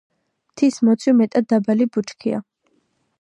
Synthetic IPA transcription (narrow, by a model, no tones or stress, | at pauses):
mt̪ʰismɔt̪sʰjɔmɛt̪ʼad̪̚d̪abalibut͡ʃkʰia̰